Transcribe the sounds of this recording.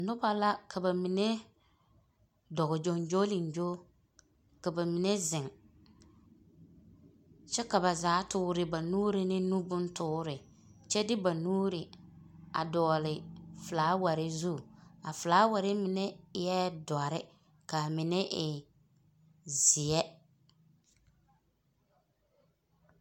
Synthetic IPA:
nʊ˦ba˦la˦kʰa˨ba˨mi˨ne˦ | dɔ˨ɣʊ˨d͡ʒo˨nd͡ʒo˦lɪ˨n˨d͡ʒo˦ | ka˨ba˨mi˨ne˦zɪ˨ŋ | t͡ʃɛ˦ka˨ba˨zaː˨˦tʊː˦ɾɪ˦˨ba˨nuː˦ɾɪ˦nɪ˦nu˦bʊ˦ntʊː˦ɾɪ˨ | t͡ʃɛ˦dɪ˦ba˨nuː˦ɾɪ˨a̰˨dɔː˨lɪ˨fʊ˨laː˨˦wa˨ɾɪ˦zu˦˨a˨fʊ˨laː˨˦wa˨ɾɪ˦mɪ˨nɛ˦jɛ˦dɔ˨a˨ɾɪ˦ | ka˨mɪ˨nɛ˦ʔɪ˨ | zɪ˨ɛ˦

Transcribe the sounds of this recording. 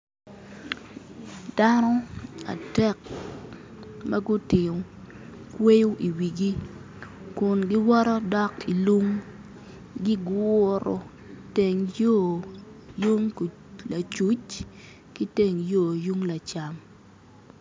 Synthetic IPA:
d̥a˦nɔ˦a̰˨dɛ˦k̚ | mɐ˦ɡʊ˦tɪ˨o˨ | kwe˦ju˦ʔi˨wi˨ɡi˦ | kʊ˨nɡɪ˦wɔ˦ɾɔ˦dɔ˦ki˨lu˦ŋ | ɡi˦ɡwʊ˦ɾo̰˨ | te˨ŋjo˦˨ | ju˦ŋ˨ | la˨t͡ʃu˨˦t͡ʃ | ki˦te˨ŋjo˦˨ju˦ŋla˨t͡ʃa˨m

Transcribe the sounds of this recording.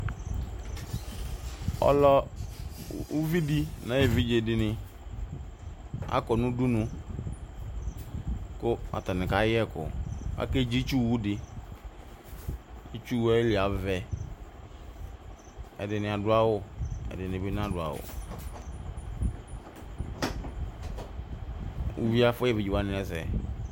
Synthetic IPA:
ɔ̰˦lɔ˦ | u˦vi˦di˦nã˨˦e˨vi˦d͡ʒe˨dɪ˨nɪ̃˨ | a̰˦kɔ˨nʊ̃˦du˦nũ˦ | kʊ˦a̰˨t̪a˨nɪ̃˨ka˨˦jɪ˦ɛ˦˨kʊ̰˨a̰˦ke˦d͡ʒi˦t͡ʃu˦wu˦dɪ˨ | i˦t͡ʃu˦wɛ˦lɪ˨a˨vɛ˨ | ɛ̰˨dɪ˨nɪ̃˨a˨dʊ˦a˦wʊ˦ɛ̰˨dɪ˨nɪ̃˨be˦n˦a˦dʊ˨a̰˨wʊ̰˨ | ṵ˨vi˦a˦fɛ˦˨vi˨d͡ʒi˨wa˦nɪ̃˨ɛ˦sɛ̰˨

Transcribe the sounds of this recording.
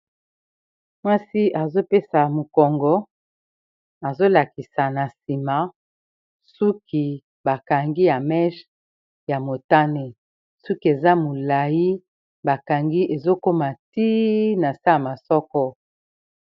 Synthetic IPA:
mwa˦si˦ʔa˨zo˦pe˦sa˨mo˨kɔ˨ŋɡɔ˦ | a˨zo˦la˨ki˨sa˨na˨si˨ma˨ | su˦kʰi˨ | ba˨ka˨ŋɡi˦ja˨mɛ˦ʃ | ja˨mo˨ta˦ne˨ | su˦ki˦e˨za˦mo˨la˨ji˦ | ba˨ka˨ŋɡi˦e˨zo˦ko˦ma˨ti˦na˨sa˦a˨ma˨sɔ˦kɔ˦

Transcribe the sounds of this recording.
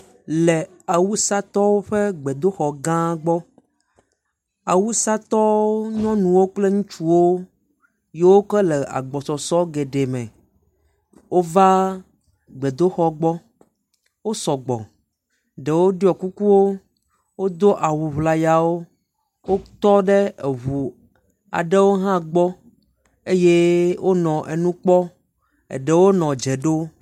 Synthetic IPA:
le˨ | a˨wu˦sa˦t̪ɔ˦wo˦ɸe˦ɡ͡be˨d̪o˦xɔ˨ɡã˦ɡ͡bɔ˦ | a˨wu˦sa˦t̪ɔ˦o˦ɲɔ̃˦nũ˨wo˦k͡ple˦ŋũ˦t͡ʃu˦wo˦ | je˦wo˦kɛ˦le˨a̰˨ɡ͡bɔ˨sɔ˨sɔ˦ɡe˨ɖe˨mɛ̰̃˨ | wʔo˦va˦ | ɡ͡be˨d̪o˦xɔ˦ɡ͡bɔ˦ | wo˦sɔ˨ɡ͡bɔ̰̃˨ | ɖɛ˨wo˦ɖi˦ɔ˨ku˦ku˦wo˦ | wo˦d̪o˦ʔa˨wu˨ɦla˨ja˨wo˦ | wo˦t̪ɔ˦ɖe˦e˨ɦu˨ | a̰˨ɖe˦wo˦ɦã˦ɡ͡bɔ˦ | e˦je˦wʔo˦nɔ̃˨ʔe˨nũ˦k͡pɔ˦ | ḛ˨ɖe˦wo˦nɔ̃˨d͡ʒe˨ɖo˦

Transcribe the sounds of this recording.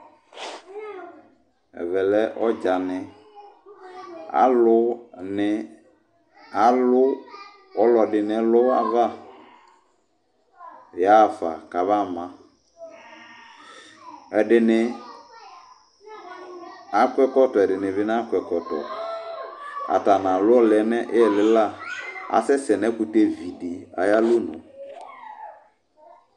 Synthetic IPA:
ɛ̰˨vɛ˨lɛ˦ʔɔ˦d͡ʒa˨nɪ̃˨ | a̰˨˦lʊ˦nɪ˨˦ | a˨˦lʊ˦ | ɔ˨lɔ˨dɪ˨n˨ɛ˨˦lɔ˦a̰˨va˦˨ | ja˦˨fa˨ka˨va˦˨mã˦ | ɛ˨dɪ˨nɪ˨ | a˨kʷɛ˦kɔ˦tɔ˨ɛ˨dɪ˨nɪ˨vɪ˨˦n˦a˦kʷɛ˨kɔ˨tɔ̰˨ | a̰˨ta˨nã˨lʊ˦ɔ˦lɛ˨˦nɛ˦ʔɛ˦˨lɪ˦la˦˨a̰˨sɛ˦sɛ˨nɛ˦kʊ˨te˦vi˨di˨a̰˨ja˦lʊ˦nʊ̰̃˨

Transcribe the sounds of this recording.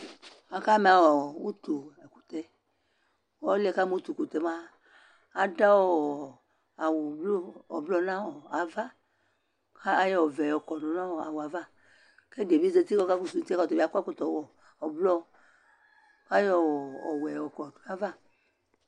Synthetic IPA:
a˨ka˦m˨a˨wɔ˨wu˦t̪o˨ɛ˨ku̥˨t̪ɛ˨ | wɔ˦lɛ˦˨ka˦mo˦t̪u˨ku˨t̪ɛ˨maː˦˨ | da˦wɔ˦ɔ˨ | a˨wu˨blo˦ɔ˨blɔ˦nã˦wɔ˨a˨va˦ | ka˦a˦jɔ˦˨vɛ˨ɔ˨kɔ˨nɔ˨nã˦wɔ˨a˨wa˨va˦ | kɛ˦de˨bi˦ze˦t̪i˦kɔ˦ka˦ku˨su˨˦ti˦ka˦˨t̪o˨bi˦a˨˦kko˨t̪ɔ˨wɔ˨ | ɔ˨blɔ˦ | ka˦jɔ˦˨ɔ˨wɛ˨ɔ˨kɔ˨a˨va˦˨

